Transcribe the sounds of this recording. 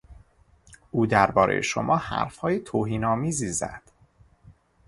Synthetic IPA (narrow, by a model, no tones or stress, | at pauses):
ʔuːd̪æɾbɒːɾe̞̰jḛʃo̰mʔɒːhæ̰ɾfhɒːjet̪ʰoːɦiːnɒːmiːziːzæ̰d̪̥